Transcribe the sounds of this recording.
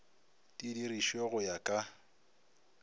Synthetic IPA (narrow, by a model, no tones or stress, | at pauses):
tʼidiriʃweɣʊjakʼa